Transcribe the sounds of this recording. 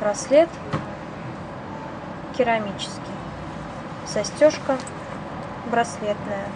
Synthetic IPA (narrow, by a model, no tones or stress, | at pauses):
bɾɐsʲlʲet̪ | kʲɪɾɐmʲit͡ɕɪ̥skʲɪj | sɐsʲtʲoʂkə | bɾɐsʲlʲet̪nəjə